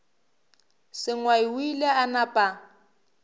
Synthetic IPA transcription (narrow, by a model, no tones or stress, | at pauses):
sɪŋwaɪwileanapʼa